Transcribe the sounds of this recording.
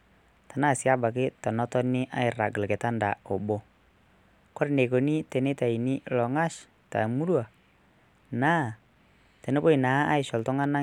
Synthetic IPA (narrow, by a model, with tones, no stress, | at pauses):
ta˨na˦˨sia˦ba˨ke˦t̪ɔ˨nɔ˦t̪ɔ˦ni˦ʔa˦i˨ra˨ɡə˨lkɛ˨t̪a˦nda̰˨ɔ˨bɔ˦ | kɔ˦ɾne˨ko˨ni˦t̪ɛ˨nɛ˦t̪a˨i˨ni˦lɔ˨ŋa˦s | t̪a̰˨mu˦lwa˨ | na˦ | t̪ɛ˨nɛ˦bɔ˦i˨na˨˦a˦i˨sɔ˨lt̪ɔ˦ŋa˦na˦